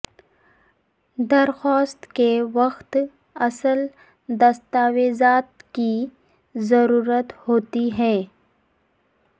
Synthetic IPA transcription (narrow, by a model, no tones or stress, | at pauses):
d̪ɐɾxaːst̪kewɐxt̪ | ɐsəl | d̪ɐst̪aːwezaːt̪ki | zɐɾuːɾət̪hoːt̪iɦɛː